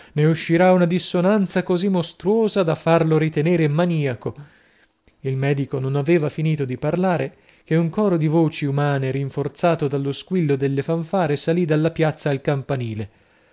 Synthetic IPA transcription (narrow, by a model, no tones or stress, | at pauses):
neuʃːiɾaunad̪isːonant̪sakozimːost̪ɾuoːzad̪afːarloɾit̪eneːɾemːaniːako | ilmɛːd̪ikononaveːvafiniːt̪od̪iparlaːɾe | k̟euŋkɔːɾod̪ivoːt͡ʃiumaːneɾiɱfort̪saːt̪od̪alːoskwilːod̪elːefaɱfaːɾesalid̪alːapjat̪sːaːlkampaniːle